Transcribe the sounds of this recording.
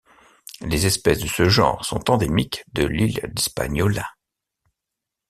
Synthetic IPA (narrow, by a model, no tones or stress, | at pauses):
lezɛspɛsd̪əsəʒɑ̰̃ːʁsɔ̰̃t̪ɑ̃d̪emikd̪əlild̪ɛspa̰ɲɔla